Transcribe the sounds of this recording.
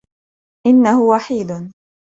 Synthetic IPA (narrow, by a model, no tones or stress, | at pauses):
ʔɪnːahʊwaħiːd̪